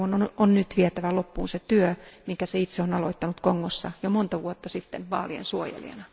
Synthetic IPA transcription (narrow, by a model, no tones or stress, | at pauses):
onononnyt̪ʋiet̪æʋælopːuːnset̪yømiŋkæseit̪seonɑloit̪ːɑnut̪koŋːosːɑ̰jomont̪ɑʋuot̪ːɑsit̪ːenʋɑ̰ːliḛnsuojḛlḭɑ̰nɑ